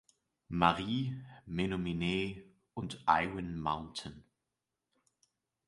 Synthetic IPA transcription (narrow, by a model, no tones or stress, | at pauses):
maʁiːmenomineː | ʊntʔa̰ɪwənmaʊ̃ntʰən̩